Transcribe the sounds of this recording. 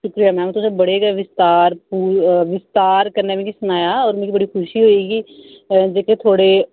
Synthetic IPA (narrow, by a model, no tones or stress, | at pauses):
ʃʊkɾijaːmɛ̃ːm̃ːt̪ʊsebəɽeɡeʋɪst̪aːɾpuːʋɪst̪aːɾkəɾnemẽkisʊnaːjaɔːɾmɛ̃ːkibəɽiːxʰʊʃiɦoːiːɡiː | d͡ʒeːket̪ʰoːɽe